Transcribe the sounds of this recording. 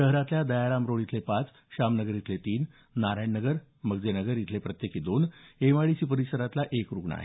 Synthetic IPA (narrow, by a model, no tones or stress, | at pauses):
əɦɾat̪ljad̪əjaɾamɾoɭit̪ʰlepat͡s | ɕamnəɡəɾit̪ʰlet̪iːnː | aɾajɳnəɡəɾ | məɡd͡zenəɡəɾjit̪ʰlepɾət̪jekid̪oneʋaɭisiːpəɾisəɾat̪laʔekɾuɡɳa̰ɦḛ